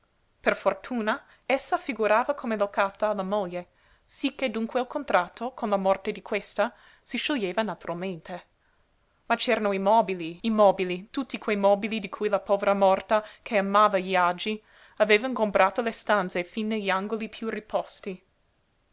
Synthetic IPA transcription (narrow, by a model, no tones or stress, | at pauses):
perfort̪ʰuːna | esːafiɡuɾaːvakʰomelokat̪aːlːamoʎːe | sikːed̪uŋkwealkʰont̪ɾat̪ʰːokʰonlamɔrt̪ed̪ikʰwest̪a | siʃoʎːeːvanat̪uɾʔalment̪ʰe | mat͡ʃɛːɾanoimɔːbiliimɔːbilit̪ut̪ːikwejmɔːbilid̪ikʰujlapɔːveɾamɔrt̪akʰeamaːvaʎiad͡ʒi | aveːvaĩŋkompɾʔaːt̪olest̪ant̪sefinːeʎiaŋɡolipʰjuripʰɔst̪i